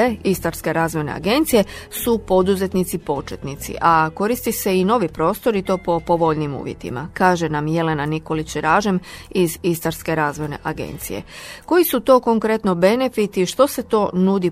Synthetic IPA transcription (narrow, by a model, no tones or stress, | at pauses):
eist̪aɾske̞ɾaːzʋo̞jne̞̰a̰ɡe̞nt̪sije̞supo̞d̪uze̞t̪nit̪sipo̞t͡ʃet̪nit̪sḭʔako̞ɾist̪ise̞ino̞ʋipɾo̞ːst̪o̞ɾit̪o̞ːpo̞po̞ʋo̞ʎnimṵːʋje̞t̪ḭma̰kaːʒe̞namje̞le̞naniko̞lit͡ɕɾaːʒe̞mizist̪aɾske̞ɾaːzʋo̞jne̞̰ʔaɡe̞̰nt̪sije̞̰ko̞jisut̪o̞ːko̞ŋkɾe̞t̪no̞be̞ne̞fit̪iʃt̪o̞se̞t̪o̞ːnud̪i